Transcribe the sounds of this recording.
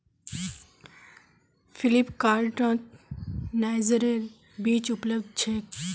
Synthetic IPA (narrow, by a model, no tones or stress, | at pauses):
filipkaːlʈɔ̃ːt̪ | najzəɾe | biːt͡ʃupləbd̪̚t͡ʃʰeːk